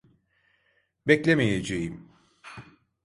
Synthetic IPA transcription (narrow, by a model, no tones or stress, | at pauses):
bɛclʲemejed͡ʒejim